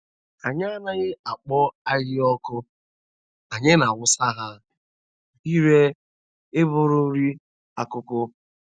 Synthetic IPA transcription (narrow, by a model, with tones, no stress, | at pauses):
a˨ɲ˦a˦na˦ɣɪ˦a˨k͡pɔ˦a˦ɣɪ˦ɔ˦kʊ˦ | a˨ɲɪ˦na˨wʊ˦sa˦ɦa˦ | i˦ɾe˦ | e˦bʊ˦ɾʊ˦ɾi˦ | a˨kʊ˦kʊ˦